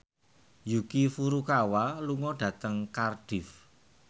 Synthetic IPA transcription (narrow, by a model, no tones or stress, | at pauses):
jukifuɾukawaluŋɔɖ̥ä̤t̪əŋkarɖ̥ɪf